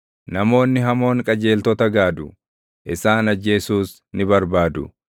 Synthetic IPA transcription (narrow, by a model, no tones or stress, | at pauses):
nɐmo̞ːnːɪɦɐmo̞ːŋkʼɐd͡ʒe̞ːlt̪ɔt̪ɐɡaːd̪ʊ | ʔɪsaːnɐd͡ʒːe̞ːsuːs | nɪbɐɾbaːd̪ʊ